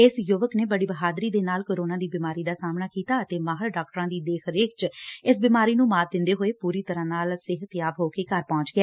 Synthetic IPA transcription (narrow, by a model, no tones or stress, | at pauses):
ɪsjʊːʋəkneːbəɽiːbəɦaːd̪ɾiːd̪eːnaːlkoːɾoːnãːd̪iːbiːmaːɾiːd̪aːsaːmnaːkiːt̪aːət̪eːmaːɦəɾɖaːkʈɾãːd̪iːd̪eːkʰɾeːkʰt͡ʃɪs̬bimaːɾiːnũːmaːɾd̪ɪ̃nd̪eːɦoːeːpuːɾiːt̪əɾãːnaːlsɪɦət̪ɪjaːʋɦoːkeːkəɾpɔ̃ːɲt͡ʃɡɪɛː